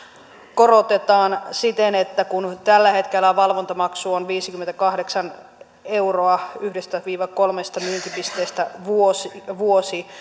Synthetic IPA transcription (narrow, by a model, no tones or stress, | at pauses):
ko̞ɾot̪et̪ɑːnsit̪enet̪ːækunt̪ælːæhe̞t̪k̟elːæʋɑlʋo̞nt̪ɑmɑksuonʋiːsikyment̪ækɑhde̞ksɑn | e̞wroɑyhdest̪æʋiːʋɑko̞lmest̪ɑmyːnt̪ipist̪eːst̪æʋuosiʋuosi